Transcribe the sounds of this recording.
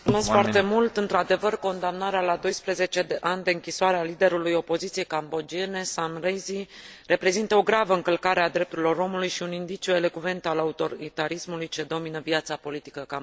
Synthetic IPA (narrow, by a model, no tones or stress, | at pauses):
kunosfoart̪e̞mult̪ɨnt̪ɾad̪e̞vərko̞nd̪amnaɾealad̪o̞jspɾeze̞t͡ʃe̞d̪eʔanʲd̪e̞ɨŋkʲisoaɾealid̪e̞ɾulujo̞po̞zit̪siejkambo̞d͡ʒie̞ne̞samrejzire̞pɾe̞zint̪əo̞ɡɾavəɨŋkəlkaɾe̞ad̪ɾe̞p̚t̪uɾilo̞ɾo̞mulujʃiunind̪it͡ʃiue̞le̞kve̞nt̪alaut̪o̞ɾit̪aɾismulujt͡ʃe̞d̪o̞minəvjat̪sapo̞lit̪i̥kəkam